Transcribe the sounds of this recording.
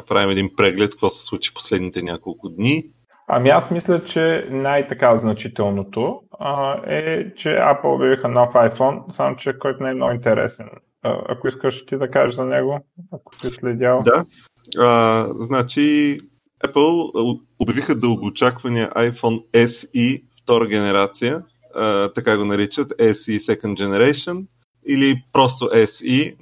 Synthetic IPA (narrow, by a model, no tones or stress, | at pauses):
ɐpɾavimɛd̪inpɾɛɡlɛt̪̚koɡɔsɛ̥slˠut͡ʃi̥po̥slɛd̪nit̪ɛnʲakolˠkʊd̪ni | ɐ̰miasmislʲət͡ʃɛnajt̪ɐkaznɐt͡ʃit̪ɛlˠnot̪o | ɛ̰t͡ʃɛ̰a̰pl̩ˠo̰bʲjɐvixənɔfajfɔnsamot͡ʃɛkɔjt̪ʊnaɛmno̰int̪ɛɾɛ̰sɛn̰ | ɐ̰kʊiskəʃt̪id̪ɐkaʒʒzɐnɛɡoɐko̥t̪islɛd̪ʲalˠd̪a | əznat͡ʃi | ɛpəlˠ | obʲjɐvixəd̪əlˠɡʊt͡ʃakvɐniə̰ʔajfɔnɛsift̪ɔɾəɡʲɛnɛɾat̪sijə | ət̪ɐkaɡonɐɾit͡ʃət̪ɛsisɛkənd̪d͡ʒɛnɛɾɛjʃon | ilipɾɔst̪oʔɛsi